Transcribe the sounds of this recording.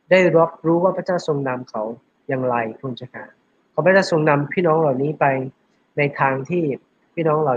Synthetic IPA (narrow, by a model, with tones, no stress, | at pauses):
daː˥˩jɾo˦˥p̚ɾuː˦˥waː˥˩pʰɾa˧˥t͡ɕaː˥˩wso˧ŋna˧mkʰa˨˥w | jaː˨˩ŋɾa˧jkʰuː˧nt͡ɕa˧˩kʰa̰ː˩˦ | kʰa˦wpʰa˧˥˦t͡ɕaː˥˩so˧ŋna˧mpʰiː˥˩nɔː˦˥ŋla˨˩wniː˦˥pa˧j | na˧jt̪ʰaː˧ŋt̪ʰiː˥˩ | pʰiː˥˩nɔː˦˥ŋla˨˩